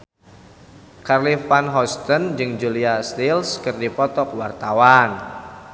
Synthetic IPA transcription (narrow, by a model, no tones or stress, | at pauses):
karlifanɦɔst̪ɔnd͡ʒɨŋd͡ʒuliast̪ilskɨrdipɔt̪ɔk̚wart̪awan